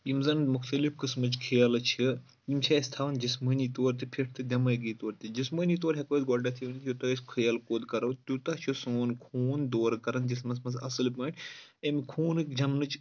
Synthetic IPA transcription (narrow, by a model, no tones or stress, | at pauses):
imzɐnmuxt̪ɐlifkɨsmɨt͡ʃkʰijalɐt͡ʃʰi | imt͡ʃʰaːst̪ʰaːʋɐnd͡ʒismənit̪oːɾt̪ipʰiʈʰt̪ɨd̪ʲɐmɐjɡit̪oːɾt̪ʲid͡ʒismənit̪̬oːɾɦʲɐkoːd̪ɡoʈat̪ʰiʋnit̪ʰjot̪ɐsʲkʰɨjɐlkoːd̪kɐɾɐwt̪ut̪ɐt͡ʃʰosuːnkʰuːnd̪oːɾkɐɾɐnd͡ʒismɐnsmɐsɐ̰sɨlpɐʈɐmikʰuːnɨkd͡ʒɐmnɨt͡ʃ